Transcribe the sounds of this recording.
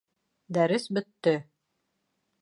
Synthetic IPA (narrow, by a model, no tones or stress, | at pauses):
d̪æɾɘsbɵ̆t̪ːɘ